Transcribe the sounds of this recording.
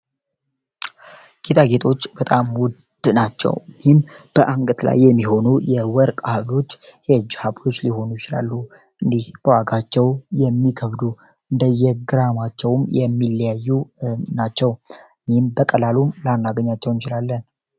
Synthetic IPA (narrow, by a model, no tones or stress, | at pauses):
ɡ̥et̪ʰaɡe̞t̪ʰo̞t͡ʃːbət̪ʼamwʊ | d̪̥nat͡ʃːɛ̰wnmb̥əʔaŋɡət̪la̰jːɛmːiho̞nujɛwɔɾkʼhaβlo̞t͡ʃːhed͡ʒhaβlo̞t͡ʃːliho̞nujɪt͡ʃɪla̰lːu | ʔɨnd̪ihbəwaɡat͡ʃːɛwjɛmːikʰəβd̪u | ʔɨnd̪əjɛɡɨɾamat͡ʃːɛwmjɛmːilːjajːunat͡ʃːɛw | nimbəkʼəlalumlanːaɡəɲːat͡ʃːɛwɨnt͡ʃɪlalːən